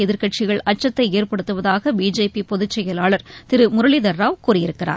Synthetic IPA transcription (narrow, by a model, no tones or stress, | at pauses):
ɛðɪɾkɐʈ̚t͡ʃɪɣɐɭɐʈ̚t͡ʃːɐt̪ːɐɪeːɾpɐɽɯt̪ːɯʋɐðaːɣɐbiːd͡ʒeːpipɔðɯt͡ʃːɛjɐlaːɭɐɾt̪ɪɾɯmʊɾɐɭɪðɐɾːaːʋkuːrɪjɪɾɯkːɪra̰ː